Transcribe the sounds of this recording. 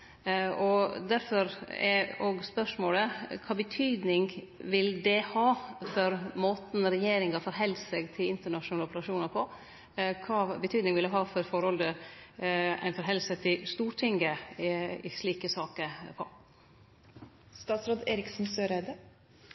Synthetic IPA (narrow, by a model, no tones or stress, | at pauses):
ɔd̪æɾfɔɾɛɾoːɡspœʂmoːləkʰɑːbət̪ʰyːd̪nɪŋʋɪld̪ɛhɑːfɔɾmoːt̪n̩ɾɛjeːɾɪŋɑfɔɾɦɛlsəɡt̪ʰɪlɪnt̪əɳɑʂnɑːlɔpəɾɑʂuːnɑɾpʰɔ | kʰɑːbət̪ʰyːd̪nɪŋʋɪld̪ɛɦɑːfɔɾfɔɾhɔld̪ə | æ̰ɪnfɔɾɦɛlːsət̪ʰɪlst̪uːɾʈʰɪŋə | ɪ̰ʂɭiːkəsɑːkəpʰɔ̰ | st̪ɑːt̪sɾoːd̪eːɾɪksnsøːɾæɪd̪ə